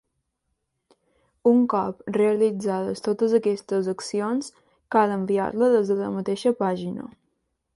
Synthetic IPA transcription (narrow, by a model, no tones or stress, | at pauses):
uŋkɔpreəlid͡zaðəst̪ot̪əzəkɛst̪əzəksions | kaləmbia̰ɾləðezðələ̰mət̪eʃəpaʒinə̰